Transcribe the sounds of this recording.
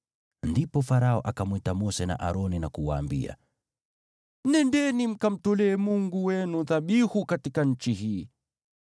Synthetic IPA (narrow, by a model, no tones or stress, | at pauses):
ndipɔfaɾaɔʔakamwɛtamɔsɛna̰ʔaɾɔninakuwa̰ːmbḭa̰ | nɛndɛnim̩kam̩tɔlɛːmuŋɡuwɛnuðaɓihukatikaɲ̩t͡ʃiɦiː